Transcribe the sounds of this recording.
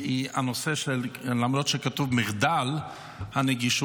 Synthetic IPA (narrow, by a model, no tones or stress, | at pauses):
ianoseʃɛllamɾɔtʃɛkatuvmɪχdal | hanɛɡiʃ